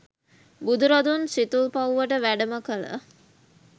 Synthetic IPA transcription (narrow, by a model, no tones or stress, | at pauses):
bud̪uɾad̪unsit̪ulpauʋəʈəʋæɖəməkələ̰